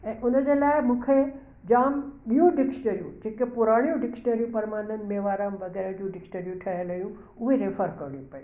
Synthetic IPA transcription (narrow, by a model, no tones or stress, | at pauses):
ɛ̃ːʔʊnəd͡ʑeːlaːɪmũːkʰe | d͡ʑaːmɓijũɖɪksʈəɾijṵ̃d͡ʑeːkepʊɾaːɽ̃ijũɖɪksʈəɾijũpɐɾmaːnənɪ̆meːʋaːɾamʋɐɣɛːɾəd͡ʑũɖɪksʈəɾjũʈʰɐɦəlɐijũ | ʊɦeɾeːfʰəɾkɐɾɽijũpɐji